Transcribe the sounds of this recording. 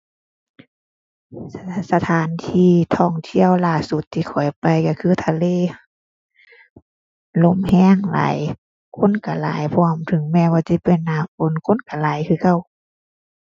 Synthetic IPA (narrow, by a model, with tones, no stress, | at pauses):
sa˧t̪ʰaː˨˦nt̪ʰiː˧˩t̪ʰɔː˧˩ŋt̪ʰi˧˨əwlaː˧˩su˧˦t̪ʰːiː˧kʰɔ˨˩˦jpa˨jka˧kʰɯː˧˥˨t̪ʰa˧leː˧˨ | lo˧˥˨mhɛː˧˥˨ŋla̰ː˨˦j | kʰo˧˥˨nka˧˩la̰ː˨˦jpʰɔ˧ə˨mt̪ʰɯ˨˦ŋmɛː˧˨waː˧˩si˧˥˦pe˨nːaː˧˩ko˧˥˨nkʰo˧˥˨nka˧˩laː˨˦jkʰɯː˧˩ka˧˩˨w